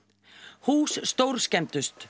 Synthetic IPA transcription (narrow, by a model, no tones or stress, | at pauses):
huːsst̪owɾ̥scɛnt̪ʏst̪